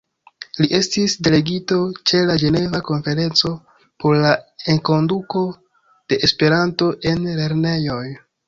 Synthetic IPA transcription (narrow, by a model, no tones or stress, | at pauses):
liʔe̞stisde̞le̞ɡito̞t͡ʃe̞lad͡ʒe̞ne̞vako̞nfe̞ɾe̞nt͡so̞ | po̞ɾlaeŋko̞nduko̞ | d̥e̞ʔespe̞ɾanto̞ʔe̞nle̞ɾne̞jo̞j